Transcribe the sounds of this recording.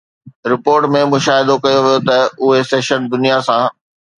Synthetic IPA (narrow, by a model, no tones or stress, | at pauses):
ɾɪpoːɾʈmẽmʊʃaːɦɪd̪okɐjoʋijot̪ɐʊɦeseːʃənd̪ʊnijasã